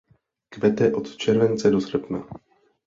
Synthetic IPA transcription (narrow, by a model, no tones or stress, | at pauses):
kvɛt̪ɛʔot̪t͡ʃɛɾvɛnt͡sɛdosr̩pna